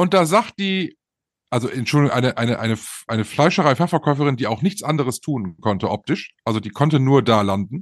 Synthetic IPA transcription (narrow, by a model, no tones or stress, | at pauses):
ʔʊnt̚d̥aːzaχt̚d̥iː | ʔalzoʔɛntʃʊldɪɡʊŋʔaɪnəʔaɪnəʔaɪnəfʔaɪnəflaɪʃəʁaɪfɛɐfɛɐkʰɔʏfəʁ̞ɪndiːaʊxnɪçt͡sʔandəʁ̞əstʰuːnkʰɔntəʔɔp̚tɪʃʔalzodiːkʰɔntənuːɐdaːlandn̩